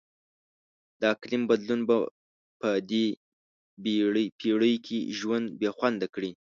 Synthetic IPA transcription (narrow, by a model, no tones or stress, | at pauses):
d̪əaklɪmbad̪lunba | pəd̪e | bɽpʰiɽəjkʰḛʒwand̪bexwand̪akɽi